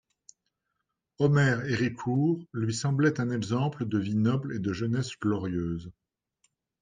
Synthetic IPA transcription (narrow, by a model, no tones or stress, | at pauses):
ɔmɛʁeʁikʰuʁlɥisɑ̃blɛt̪ɛ̃nɛɡzɑ̃pləd̪əvinɔbled̪əʒənɛsɡlɔʁjøːz